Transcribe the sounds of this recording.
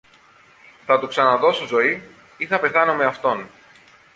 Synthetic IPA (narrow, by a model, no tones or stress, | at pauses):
θɐt̪uksɐnɐðo̞sozo̞i | iθɐpe̞θɐnome̞ɐft̪o̞n